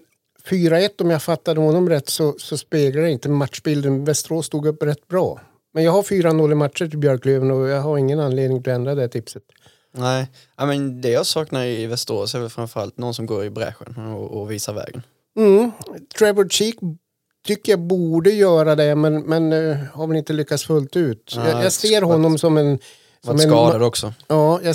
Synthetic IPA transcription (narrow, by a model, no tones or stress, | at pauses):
fyːɾaɛt̪ːɔmjafat̪ːad̪əhɔnːɔmɾɛt̪ːsɔsɔspeːɡlajaɪnt̪əmat̪ʂbɪld̪ənvɛst̪əɾoːst̪uːɡɵpːɾɛt̪ːbɾɑ̰ː | mɛnjɑːɡhaɾfyːɾanɔlːɪmat̪ʂəʈɪlbjœɾkløːvənɔjɑːɦaɾɪŋːənanːleːd̪nɪŋt̪ʰɪlɔɛnd̪ɾad̪ɛt̪ʰɪpsət̪ | ɛɪ | aɪmɛnd̪ɛjasɑːknaɾɪvɛst̪əɾo̰ːsɛvɛlfɾamfœəɾa̰lt̪nɔnsɔmɡoːɾɪbɾɛ̰ɧə̰nɔːviːsaɾvɛ̰ːɡən | m̩t̪ʰɾɛvəlʂiːk | t̪ʰʏkːəɾjabuːɖəjœːɾad̪ɛmɛnmɛnhaɾvɛlɪnt̪əlʏkːat̪sfɵlt̪ʉ̟ːt̪jɑjaseːɾɦɔnːɔmsɔmɛn | sɔmɛnɑːd̪ad̪ɔksɔɑːjɑ